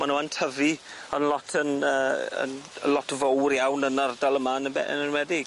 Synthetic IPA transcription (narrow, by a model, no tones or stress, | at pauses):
manəwantʰəvi | ənlɔtʰənəːə̰nə̰lɔtʰvowrjawnənərdalˠəmaənəɛ̰nənwɛdɪɡ̥